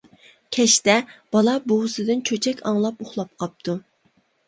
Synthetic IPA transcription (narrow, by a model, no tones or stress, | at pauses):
kʲʰɛʃt̪ɛb̥ɑlˠɑboʁsɨd̪ɨnt͡ʃʰøt͡ʃʰɛkʲɑŋlˠɑpoχlˠɑp̚qʰɑp̚t̪ʰu